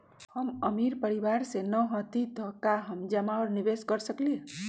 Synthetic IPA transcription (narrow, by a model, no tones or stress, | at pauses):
həməmiɾpəɾibaɾsenəɦɔt̪id̪ʱɔkaɦəmd͡ʒəmaɔɾnibeskəɾsəkli